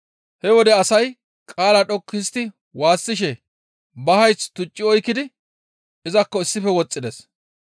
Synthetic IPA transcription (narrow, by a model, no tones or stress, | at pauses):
hɛwɔd̪ɛɐsɐj | kʼaːlɐᶑɔkːɪst̪ɪ | waːsːɪʃɛ | bɐɦɐjst̪ʊt͡ʃʼːɪɔjkːɪd̪ɪ | ʔɪzɐkːɔɪsːɪfɛwɔt͡sʼːɪd̪ɛs